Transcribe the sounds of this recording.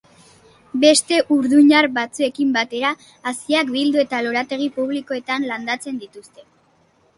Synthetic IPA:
be̞st̪e̞ʔuɾðuɲaɾbat͡sue̞kimbat̪e̞ɾaː | siakbild̪ue̞t̪aloɾat̪e̞ɣ̞ipuβ̞liko̞e̞t̪anland̪at͡se̞nd̪it̪ust̪e̞

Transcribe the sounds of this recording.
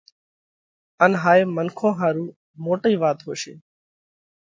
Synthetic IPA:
ənɦaːeːmənkʰõːɦaːɾuː | moːʈiːʋaːt̪ɦoːʃḛː

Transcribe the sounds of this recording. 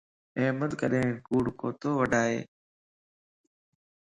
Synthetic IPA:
eːməd̪kəɗẽːnkuːɽkoːt̪oːʋəɖʱaːɦḛː

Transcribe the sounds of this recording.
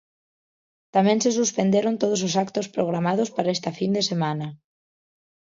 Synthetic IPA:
t̪amẽnsesuspend̪jeɾont̪oð̞ososakt̪ospɾoɣ̞ɾamaðospaɾaest̪afind̪esemana

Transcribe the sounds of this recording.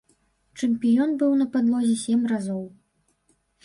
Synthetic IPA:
t͡ʂɛmpʲijɔnbɨwnɐpad̪lˠɔzʲɛsʲɛmrazɔw

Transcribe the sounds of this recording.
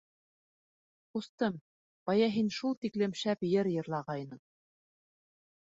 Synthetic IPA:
qust̪ɤm | b̥ɑjɑɦinʃulˠt̪iklɘ̆mʃæpjɘɾjɤ̆ɾlˠɑʁɑjnɤɴ

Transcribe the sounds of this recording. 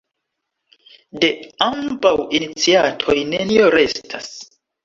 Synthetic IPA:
de̞ambawinit͡siatʰo̞jne̞nioɾe̞stʰa̰s

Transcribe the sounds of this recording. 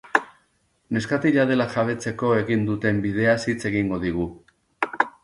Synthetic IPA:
ne̞skat̪iʎað̞e̞laʝaβ̞e̞t͡se̞ko̞e̞ɣind̪ut̪e̞mbið̞e̞asit͡se̞ɣiŋɡo̞ð̞iɣu

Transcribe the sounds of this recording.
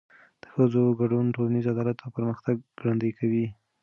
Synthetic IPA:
d̪̥ə̥xəzoɡaɖunʈolanizad̪ɑlat̪apəɾməxt̪aɡ̚ɡɾand̪əjkʰawi

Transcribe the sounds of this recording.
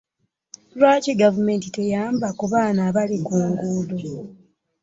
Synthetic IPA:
lwaːceɡavume̞ːntite̞jaːmbakuβaːnaːβalikuːŋɡuːdo

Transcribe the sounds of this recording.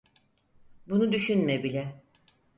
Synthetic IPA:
bunud̪yʃynmebilʲɛ

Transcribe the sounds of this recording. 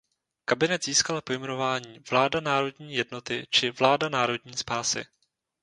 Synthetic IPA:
kabɪnɛt̪ziːskalapo̞jmɛno̞vaːɲiːvlaːdanaːɾo̞dɲiːjɛdno̞t̪ɪt͡ʃɪvlaːdanaːɾo̞dɲiːspaːsɪ̰

